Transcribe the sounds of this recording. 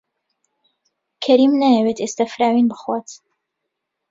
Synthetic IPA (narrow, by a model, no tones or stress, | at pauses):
kʰɐɾimnajɛwet̪est̪afɾaːwinbɨxwaːt̪